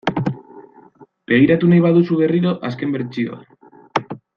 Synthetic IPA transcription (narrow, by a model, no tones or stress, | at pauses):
be̞ɣ̞iɾat̪unajβ̞aðusuβ̞e̞riɾo̞ʔaske̞mbeɾt͡ʃio̰